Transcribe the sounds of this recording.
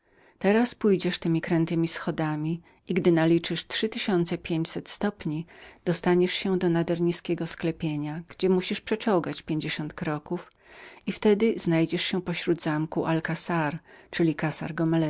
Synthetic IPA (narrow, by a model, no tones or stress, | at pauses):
t̪ɛɾaspujd͡ʑɛʂt̪ɘmʲikɾɛnt̪ɘmʲisxɔd̪amʲi | iɡd̪ɘnalʲit͡ʂɘʂtʂɘt̪ɘɕɔnt̪sɛpʲjeɲt͡ɕsɛt̪st̪ɔpɲid̪̥ɔst̪aɲɛʂɕɛd̪ɔnad̪ɛɾɲiskʲɛɡɔsklɛpʲjeɲaɡ̥d͡ʑɛmuɕiʂpʂɛt͡ʂɔ̃wɡat͡ɕpʲjeɲd͡ʑeɕɔnt̪kɾɔkuf | ift̪ɛd̪ɘznajd͡ʑɛʂɕɛpɔɕɾud̪zamkuʔalkasaɾt͡ʂɘlʲikasa̰ɾɡɔmɛlɛ